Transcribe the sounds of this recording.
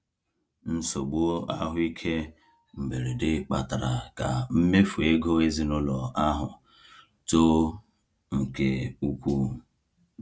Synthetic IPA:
n̩˦so˨ɡ͡bo˦a˦ɦʊ˦i˦kʰe˦ | m̩˨be˨ɾe˨dɪ˦k͡pa˨ta˨ɾa˨ka˨m̩˦me˦fu˨e˦ɡo˦e˦zi˨nʊ˦lɔ˨a˦ɦʊ˨ | to˦ | ŋ̩˨ke˨u˦kʷu˦

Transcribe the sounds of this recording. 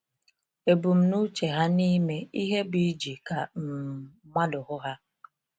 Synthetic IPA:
e˨bu˨m̩˨˦nu˦t͡ʃe˨ɦa˦ni˦me˦i˦ɦe˦bi˦d͡ʒi˨ka˨m̩˨ma˦dʊ˨ɦʊ˦ɦa˦

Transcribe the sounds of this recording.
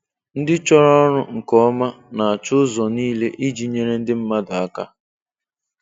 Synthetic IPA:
n̩˦dɪ˦t͡ʃɔ˦ɾɔ˦ɔ˦ɾʊ˦ŋ̩˨kɔ˦ma˦na˨a˨t͡ʃʊ˦zɔ˨niː˦le˦ʔi˦d͡ʒi˨ɲe˦ɾe˦n̩˦dɪ˦m̩˦ma˦da˨a˦ka̰˦

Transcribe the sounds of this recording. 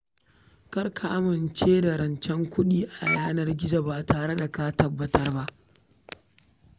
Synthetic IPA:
kɐ˦rkʰa˨ʔa˦mɪ˨nt͡ʃeː˦da˨ɾɐ˨nt͡ʃɛ˦ŋkʷʊ˦ɗiː˦ʔa˨jaː˦nɐ˦rɡʲɪ˦d͡ʒa˨ba˨taː˨ɽe˦da˨ka˦tɐ˨bːɐ˦tɐ˦rba˦ʔ

